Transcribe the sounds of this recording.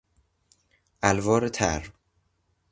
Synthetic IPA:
ʔælvɒːɾet̪ʰæɾ

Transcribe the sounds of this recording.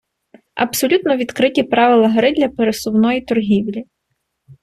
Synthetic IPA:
ɐ̰bsɔlʲut̪nɔʋʲid̪kɾɪtʲipɾɑʋɪlˠɐɦɐɾɪd̪ʲlʲɐpeɾesʊwnɔjit̪ɔrɦʲiwlʲi

